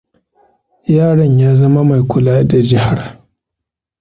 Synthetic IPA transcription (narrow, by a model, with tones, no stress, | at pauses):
jaː˦˨ɽɐ˨ɲjaː˦zɐ˦ma˦ma˨jkʷʰʊ˨laː˦da˨d͡ʒɪ˦ha˨r